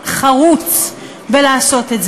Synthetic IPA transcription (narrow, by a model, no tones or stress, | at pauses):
χaʁut͡s | belaːso̞t̪e̞tz